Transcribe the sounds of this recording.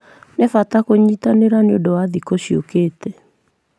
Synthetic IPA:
nɛfatakoɲitaneɾaneodowaðikoɕiokeːtɛ

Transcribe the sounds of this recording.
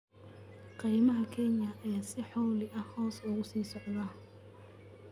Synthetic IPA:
qijmɐɦɐkʰɛnjɐʔɐjaːsɪħɔwlɪʔɐhɔːsɔːɣʊsiːsɔʕd̪ɐ

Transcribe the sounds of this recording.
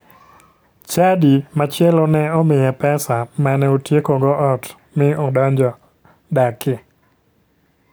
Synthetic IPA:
t͡ʃadimat͡ʃjɛlɔnɛɔmɪjɛpɛsamanɛotjekoɡɔʔɔt | mɪɔdɔɲd͡ʒɔ | dakɪ

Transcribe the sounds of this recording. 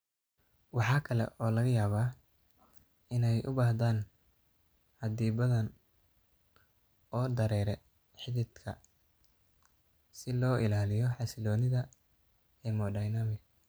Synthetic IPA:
wɑħɑːkʰɐlɛ̰ʔɔːlɐɣɐjaːβaː | ɪnɛjʔʊ̰baːhd̪aːn | hɐd̪iːbɐðɐn | ɔːd̪ɐɾɛːɾɛ | ħɪðɪd̪kʰɐ̰ | sɪlɔːʔɪlaːlɪjɔħɑsɪlɔːnɪðɐ | ɛːmɔːɖɐːjnaːmɪɡ

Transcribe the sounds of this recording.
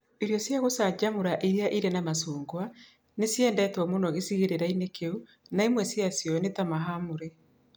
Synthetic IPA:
iɾjɔsjaɣosaɲd͡ʒamoɾaʔiɾiaʔiɾenamasuːŋɡwa | nesjɛndɛtwɔmonɔɣesiɣeɾeɾainekeu | naimwɛsjasjɔnetamaɦamoɾe

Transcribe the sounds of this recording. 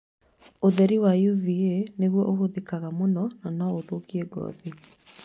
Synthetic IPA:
oðɛɾiwajuvieneɣwɔʔoɣoðekaɣamonɔnanaoðokiɛɡɔ̰ːði

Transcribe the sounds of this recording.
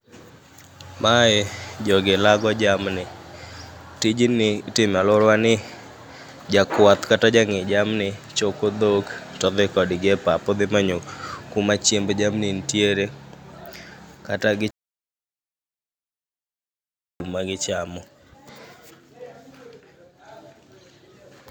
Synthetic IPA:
maɛd͡ʒɔɡɪlaɡɔd͡ʒamnɪ | tid͡ʒinɪtɪmalʊɾwanɪ | d͡ʒakwat̪katad͡ʒaŋɪd͡ʒamnɪt͡ʃokod̪oktɔd̪ɪkɔdɡɛpapɔd̪ɪmaɲokumat͡ʃembd͡ʒamnɪntjeɾe | kataɡɪ | umaɡɪt͡ʃamɔ

